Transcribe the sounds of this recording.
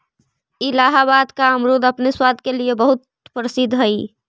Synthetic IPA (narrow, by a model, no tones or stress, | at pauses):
ilaːɦaβaːd̪kaəmɾod̪əpneswaːd̪ʱkeliebəɦʊt̪̚ | pɾəsɪd̪ʱɦəi